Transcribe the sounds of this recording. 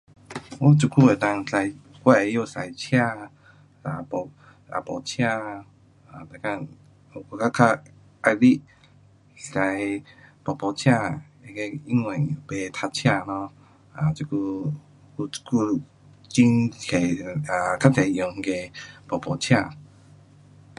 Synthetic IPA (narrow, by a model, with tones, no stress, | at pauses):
wɔ˦t͡ʃu˧kʰu˧˨e˨˩t̪a˧ŋsa˧j | kwa˦˧˨e˧jo˥˧˨sa˨jt͡ɕʰja˥˧˨ | a˨pɔ˨˧ | a̰˧pɔ̰˨t͡ɕʰja˥˧˨ | a˨t̪a˨ka˧ | o˧˨ko˧˩ka˦kʰa˧ | a˧li˦ʔ | sa˨˧jpɔ˨pɔ˨t͡ɕʰja˥˧ | e˧˨ke˧i˦ŋwɛ˨˩ŋ˨be˧t̪ʰa˧t͡ɕʰja˥˧nɔ̃˧˦ | a˨t͡ɕu˧ku˧ | ku˧ku˧ | t͡ɕi˦nkʰe˨˩a˨ka˦t͡se˨˧jɔ˧ŋ̩˧ke˧pɔ˨˩pɔ˨t͡ɕʰja˥˧˨